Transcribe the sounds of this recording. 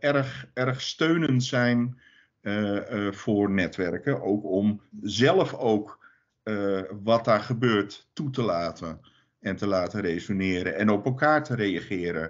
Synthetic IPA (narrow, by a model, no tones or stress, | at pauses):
ɛrxɛrχstøɥnəntsɛjn | fʊːrnɛtʋɛrkəʔowkɔmzɛlˠəfowk | ʋɑt̚daːɹχəbøːɹtːutəlaːtə | ɛntəlaːtərejsonɪːɾəɛnɔpɛlˠkaːɹtəɾejaχɪːɾə̰